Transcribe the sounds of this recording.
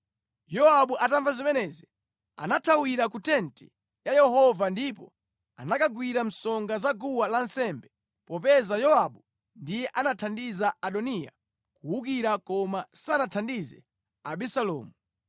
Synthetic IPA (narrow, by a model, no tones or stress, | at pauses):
jɔaɓuʔataɱvazimɛnɛzi | a̰natʰawiɾakutɛntɛ | jajɛhɔvandipɔ | anakaɡwiɾam̩sɔŋɡazaɡuwalansɛmbɛ | pɔpɛzajɔaɓu | ndijɛʔanatʰandizaaɗɔnija̰ | kuwukiɾakɔmasanatʰandizɛ̰ | aɓisalɔ̰ːmu